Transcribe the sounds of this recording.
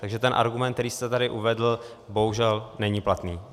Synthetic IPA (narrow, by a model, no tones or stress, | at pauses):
t̪aɡʒɛt̪ɛnʔa̰ɾɡumɛnt̪̚ɛɾiːst̪ɛt̪aɾɪʔuvɛdl̩ | bo̞ɦuʒɛlnɛɲiplat̪niː